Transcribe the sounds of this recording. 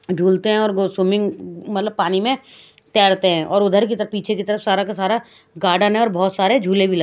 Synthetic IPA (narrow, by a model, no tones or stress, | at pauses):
d͡ʒʱuːlt̪eɦɛ̃ɔːɾɡosumɪ̃ŋɡmɐt̪ləb̚paːnimẽ | t̪ɛːɽt̪eɦɛ̃ʔɔːɾʊd̪ʱəɾk̬it̪əɾəfpːiːt͡ʃʰekit̪əɾəfsaːɾakasaːɾa | ɡaːɖanɦɛ̃ɔːɾbɔːt̪saːɾed͡ʒʱuːlebʱilɐ